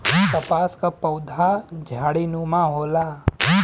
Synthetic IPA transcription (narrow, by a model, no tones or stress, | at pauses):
t̪ɐpaskapɐwd̪ʱad͡ʒʱaːɽinumãɦoːla